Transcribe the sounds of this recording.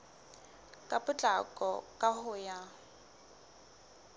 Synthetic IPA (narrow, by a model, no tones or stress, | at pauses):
kʼapʼʊt͡ɬʼakʼɔ̰kʼahʊja